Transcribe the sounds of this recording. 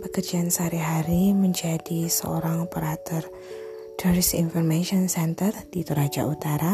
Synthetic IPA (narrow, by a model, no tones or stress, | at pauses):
pəkərd͡ʒiansaɾiɦaɾiməɲd͡ʒadisə̰o̰ɾaŋpəɾat̪ɔr | dɔɾisinfɔrmeʃiɔnsɛnt̪ərd̥it̪uɾad͡ʒa̰ʔut̪aɾa